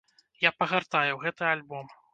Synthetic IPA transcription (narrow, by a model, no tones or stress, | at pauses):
japɐɣart̪ajɛwɣɛt̪ɨalʲbɔm